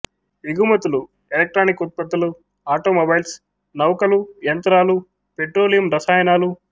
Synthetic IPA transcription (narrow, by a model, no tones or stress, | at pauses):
iɡumɐt̪ulu | elek̚ʈɾaːnikut̪̚pɐt̪ːulu | aːʈoːmɐbɐjls | nɐwkɐlujɐnt̪ɾaːlu | peʈɾoːlijɐmɾɐsaːjɐnaːlu